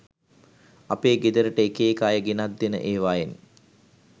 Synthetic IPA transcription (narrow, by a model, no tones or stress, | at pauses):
apeːɡed̪əɾəʈəekeːkaːjəɡenat̪ːenə̰ʔeːʋaːjen